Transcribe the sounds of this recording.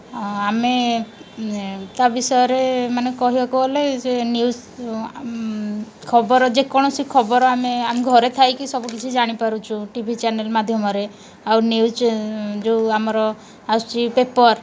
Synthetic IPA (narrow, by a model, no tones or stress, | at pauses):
ame | t̪abisɔjɔɾemanekɔɦibakuoled͡ʒenjus | kʰɔbɔɾɔd͡ʒekɔɽ̃ɔsikʰɔbɔɾɔameameɡʱɔɾet̪ʰajkisɔbukit͡ʃʰid͡ʒaɽ̃ipaɾut͡ʃʰũʈibʱit͡ʃanelmad̪ʱjɔmɔɾe | awniusd͡ʒewamɔɾɔ | ast͡ʃipepɔɾ